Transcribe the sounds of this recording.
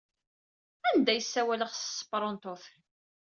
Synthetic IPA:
ænd̪æjəsːæwæləχsəsːə̥pɾˤont̪oθ

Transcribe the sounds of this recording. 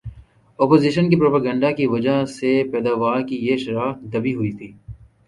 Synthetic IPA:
ɔːpoːziʃənkipɾoːpəɡə̃ɳɖakiʋɐd͡ʒasepɛːd̪aːʋaːɾkijeʃɾaːfd̪ɐbiɦʊit̪ʰiː

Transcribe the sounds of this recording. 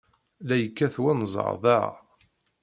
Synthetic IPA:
læjəkːæθwænzˤɑ̰ɾˤðaʕa̰

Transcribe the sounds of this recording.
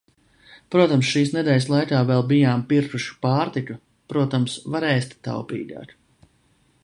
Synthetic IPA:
pɾuɔt̪amsʃiːsnɛd̪ɛːlʲslˠajkaːvɛlˠbijaːmpiɾkuʃu̥paːɾt̪iku | pɾuɔt̪amsvaɾɛːst̪t̪ːa̰wpḭːɡʲa̰ːk

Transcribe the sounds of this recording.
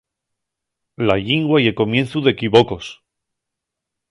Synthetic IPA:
laʎiŋɡwaie̞lko̞mjẽ̞nθuðe̞kiβoko̞s

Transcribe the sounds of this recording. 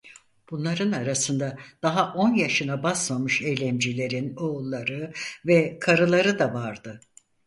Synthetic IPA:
b̥unlˠaɾɯnaɾasɯnd̪ad̪̥aɦaʔo̞njaʃɯnabasmamɯʃe̞jlʲɛmd͡ʒilʲe̞ɾinoulˠːaɾɯvɛkʰaɾɯlˠaɾɯd̪avaɾd̪ɯ

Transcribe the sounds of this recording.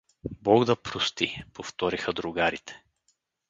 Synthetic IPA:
bɔɡd̪ɐpɾʊst̪ipoft̪ɔɾixəd̪ɾʊɡaɾit̪ɛ̥

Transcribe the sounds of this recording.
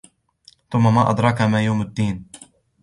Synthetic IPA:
θʊmːamaːʔɑ̰d̪ɾˤɑkamaːjawmad̪ːiːn

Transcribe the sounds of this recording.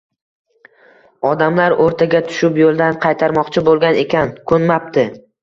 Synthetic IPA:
ɒd̪amlaɾoɾt̪ʰaɡʲat̪ʰʊ̥ʃɪpjolˠd̪anqʰɑjt̪ʰaɾmɒqt͡ʃʰɪbolˠɡʲane̞kʲankʰɵnmap̚t̪ʰɪ

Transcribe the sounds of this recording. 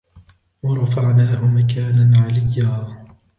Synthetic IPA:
wɑɾˤɑfaʕnaːhʊmakaːnanʕalɪjːaː

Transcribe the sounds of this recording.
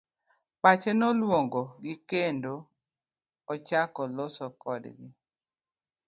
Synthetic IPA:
pat͡ʃenɔlwoŋɡoɡikendo | ɔt͡ʃakɔlosɔkɔdɡɪ

